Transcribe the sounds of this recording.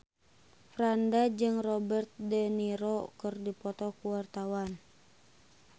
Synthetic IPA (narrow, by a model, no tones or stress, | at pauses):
fɾandad͡ʒɨŋrɔbərt̪̚dəniɾɔkɨrdipɔt̪ɔkuwart̪awan